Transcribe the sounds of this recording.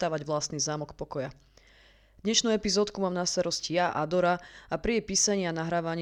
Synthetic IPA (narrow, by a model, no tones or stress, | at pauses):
t̪aːʋaɟʋlast̪niːzaːmɔkpɔkɔja | d̪ɲɛʃnuɛpizɔːt̪kumaːmnast̪aɾɔscijaʔa̰d̪ɔɾaapɾiɛpiːsaɲianaɦɾaːʋaɲ